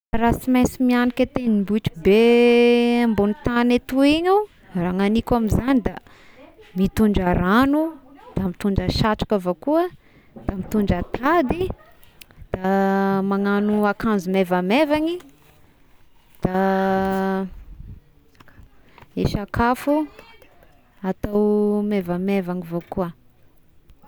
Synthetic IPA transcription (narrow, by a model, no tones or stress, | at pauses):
aɾasimesimianikʲet̪enimbuʈ͡ʂi̥be | ambunit̪anet̪uiɲaw | raŋanikʲamizanid̪a | mit̪uɳɖ͡ʐaɾanud̪̥amit̪uɳɖ͡ʐəʃaʈ͡ʂḁkavakuə | d̪̥amit̪uɳɖ͡ʐat̪ʰad̪i | d̪̥amaŋanuakanzumevamevaŋi | d̪̥a | eʃakafu | at̪awmevamevaŋivokuə